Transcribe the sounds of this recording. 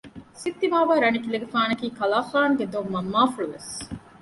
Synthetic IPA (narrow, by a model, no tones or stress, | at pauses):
sit̪ːiʋaːʋaːɾɐnikileɡefaːnɐkiːkɐlaːχaːnɡed̪omːɐmːaːfuɭuʋḛs